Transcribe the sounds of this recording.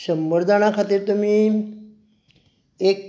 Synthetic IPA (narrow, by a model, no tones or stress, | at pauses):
səmbəɾd̪ʱaɳ̃akʰat̪iːɾt̪umi | ek̚